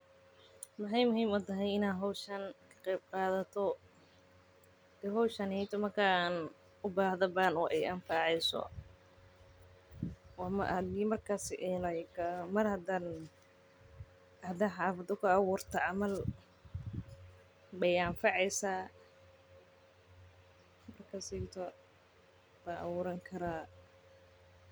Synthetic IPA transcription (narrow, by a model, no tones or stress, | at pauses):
mɐħɑjmʊɦiːmʊt̪ɐɦɛjɪnaːɦɔwʃɐnkʰɐ̥qɛjb̚qɑːðɐt̪ʰɔ | ɛɦɔwʃɐnhɛjt̪ʰɔmɐrkʰaːn | ʊbaːhðɐbaːnɔʔɛjʔɐnfɑʕɛjsɔ̰ | wɑmɐ̰hɐd̪iːmɐrkʰaːsɪʔɛlɐkʰɐmɐrhɐd̪an | hd̪anħaːfɐd̪ʊkʰɐːwʊːrt̪ʰɐʕɑmɐl | bɛjaɱfɑʕɛjsaː | mɐrkʰaːsit̪ʰɔ | baʔɐ̰wʊːɾɐŋkʰɐɾaː